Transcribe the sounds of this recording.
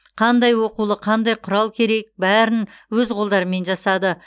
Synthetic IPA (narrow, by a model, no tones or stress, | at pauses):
qʰɑnd̪ɑjwo̞qulˠəqʰɑnd̪ɑjqʰʊɾɑlˠkʲʰe̞ɾe̞k̚bæɾɪnwɵzqʰo̞lˠd̪ɑɾəme̞nʒɑsɑd̪ə